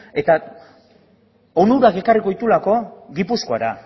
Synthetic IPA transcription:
e̞t̪a | onuɾake̞kariko̞ðit̪ulako̞ɡipuskoaɾa

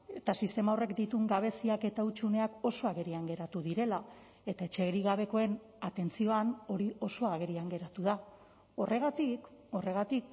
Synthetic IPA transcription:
et̪asist̪e̞maore̞kd̪it̪uŋɡaβ̞e̞siake̞t̪aut͡ʃune̞ako̞so̞aɣe̞ɾiaŋɡe̞ɾat̪uðiɾe̞la | e̞t̪ae̞t͡ʃe̞ɾiɣaβ̞e̞ko̞e̞n | at̪e̞nt͡sio̞ano̞ɾio̞so̞aɣeɾiaŋɡe̞ɾat̪uð̞a | o̞rʔe̞ɣ̞at̪iko̞re̞ɣ̞at̪ik̚

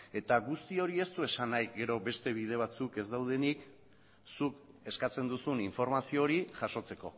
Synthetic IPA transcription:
e̞t̪aɣust̪io̞ɾie̞st̪ue̞sanajɡe̞ɾo̞βe̞st̪e̞βið̞e̞β̞at͡suke̞zd̪awð̞e̞nik | suke̞skat͡se̞nd̪usuniɱfo̞ɾmasio̞ɾiʝaʃo̞t͡se̞ko̞̰

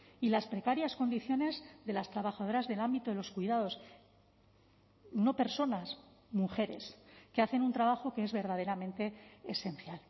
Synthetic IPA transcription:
ilaspɾe̞kaɾjasko̞nd̪iθjo̞ne̞zðe̞last̪ɾaβ̞axaðo̞ɾazðe̞lambit̪o̞ðelo̞skwujðað̞o̞s | no̞pe̞ɾso̞nasmuxe̞ɾe̞̰skeaθe̞nunt̪ɾaβaxo̞keezβe̞ɾð̞að̞e̞ɾamẽ̞nt̪e̞ːsẽ̞nθjal

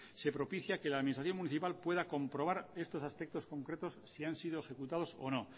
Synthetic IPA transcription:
se̞pɾo̞piθjake̞laːðminist̪aθjonmuniθipalpwe̞ð̞ako̞mpɾo̞β̞aɾe̞st̪o̞saspek̚t̪o̞sko̞ŋkɾe̞t̪o̞sːiansið̞o̞exe̞kut̪að̞o̞so̞̰no̞

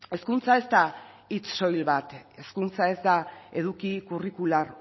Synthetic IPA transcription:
e̞skunt͡sae̞zt̪a | it͡sso̞jlβat̪e̞skunt͡sae̞zd̪ae̞ðukikurikulaɾ

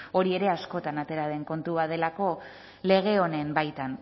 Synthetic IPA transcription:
o̞ɾie̞ɾe̞asko̞t̪anat̪e̞ɾaðe̞ŋko̞nt̪uβaðe̞lako̞ | le̞ɣ̞e̞o̞ne̞mbajt̪an

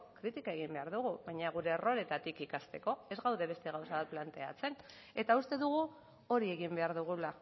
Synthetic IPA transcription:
kɾit̪ikae̞ɣimbe̞aɾðuɣ̞uβajɲaɣ̞uɾe̞ro̞ɾe̞t̪at̪ikikast̪e̞ko̞e̞zɣawðe̞β̞e̞st̪e̞ɣ̞awsaβat̪̚plant̪e̞a̰t͡se̞n | e̞t̪aust̪e̞ðuɣ̞u | o̞ɾie̞ɣimbe̞aɾðuɣ̞ula

